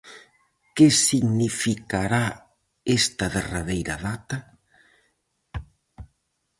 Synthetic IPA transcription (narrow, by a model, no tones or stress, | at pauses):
kesiɣnifikaɾa | est̪ɐðeraβejɾaðat̪ɐ